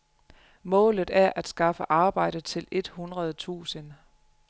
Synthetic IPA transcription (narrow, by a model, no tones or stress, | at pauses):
mɔ̰̽ːlð̩ˠæɐʔæd̥sɡ̥ɑ̈fəʔɑ̈ːb̥ɑ̈ɪ̰d̥əðt͡sʰe̝le̝d̥hunʁɐð̞ˠt͡sʰṵːsən